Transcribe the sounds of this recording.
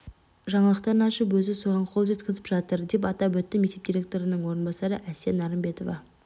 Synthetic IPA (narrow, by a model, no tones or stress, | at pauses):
ʒɑɴɑlˠəq̚t̪ɑɾənɑʃəpwɵzɪso̞ʁɑɴqʰo̞lˠʒe̞t̪kʲɪzɪpʒɑt̪əɾd̪e̞p̬ɑt̪ɑwɵt̪ːɪmet̪e̞p̚d̪ʲiɾʲe̞k̚t̪o̞ɾənəɴwo̞ɾənbɑsɑɾəʔæsenɑɾəmbe̞t̪o̞vɑ̰